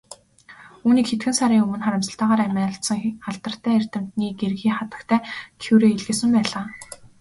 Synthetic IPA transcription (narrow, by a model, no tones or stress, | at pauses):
uːniːkxet̪ɡɘ̆nsaɾʲiːŋɵmɵ̆nχaɾʲə̆msə̆ɬt̪aːʁaːɾæmʲæːɬt̪sə̆ŋaɮt̪ə̆r̥t̪ʰæːer̥t̪ɘ̆m̥t̪niːɡerɣiːχat̪ə̆kt̪ʰæːkʰuwɾeːiɮɣɘ̆ːsɘ̆mpæːɮaː